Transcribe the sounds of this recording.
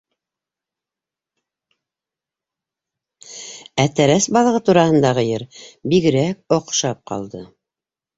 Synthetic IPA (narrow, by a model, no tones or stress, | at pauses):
æt̪æɾæsbɑlˠɤʁɤt̪uɾɑhɤ̆nd̪ɑʁɤjɘɾbiɡɘ̆ɾæk̚oqʃɑp̚qɑ̰lˠd̪ɤ